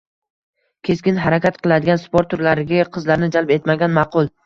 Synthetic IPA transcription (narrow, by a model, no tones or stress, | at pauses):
kʲʰe̞skʲɪnɦaɾakʲat̪qʰɨlˠad̪ɪɡʲanspoɾt̪ʰːʊɾlaɾɪɡʲaqʰɨzlaɾɪnɪd͡ʒalpe̞t̪maɡʲanmɑqʊlˠ